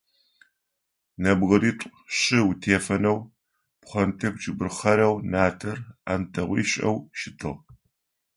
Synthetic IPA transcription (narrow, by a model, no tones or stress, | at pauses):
nɐbʁɐɾiːtʷʼɕʼɪwutʰeːfɐnɐw | pχʷɐntʰɐkʷt͡ʃʼɪbɨrχɐɾɐwnaːtʰɐra̰ːntʰɐʁʷḭːɕʼɐ̰wʃɪtʰɨ̰ʁ